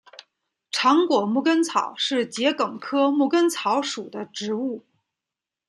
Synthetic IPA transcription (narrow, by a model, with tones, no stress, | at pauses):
ʈ͡ʂʰɑ˧˥ŋkwɔ˨˩mu˥˩kə˥nt͡sʰɑ˨˩ʊʂɻ̩˥˩t͡ɕjɛ˧˥kɤ˨˩ŋkʰɤ˥mu˥˩kə˥nt͡sʰɑ˧˥ʊʂu˨˩d̪ə˦ʈ͡ʂɻ̩˧˥u˥˩